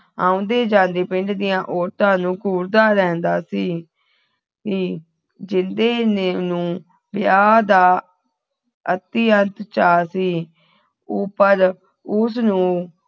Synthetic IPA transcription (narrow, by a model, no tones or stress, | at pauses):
ã̰ːʊ̃ːnd̪eːd͡ʒãːnd̪eːpɪ̃ɳʈd̪ɪjãːʔɔːɾt̪ãːnũːkuːɾd̪aːɾɛ̃ːnd̪aːsiː | kiː | d͡ʒɪnd̪eːneːnũː | bɪjaːd̪aː | ət̪iːənt̪t͡ʃaːsiː | oːpəɾ | ʊsnũː